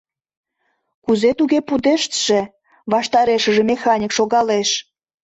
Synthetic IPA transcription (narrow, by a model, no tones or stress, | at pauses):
kuzet̪uɣepud̪eʃt̪ʒ̥e | βɑʃt̪ɑɾeʃə̆ʒĕmexɑnʲikʃoɣɑleʃ